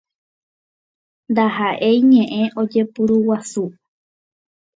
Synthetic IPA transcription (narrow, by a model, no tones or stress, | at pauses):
nd̪aɦaʔe̞jɲẽʔẽ̞ʔo̞d͡ʒe̞puɾuwasu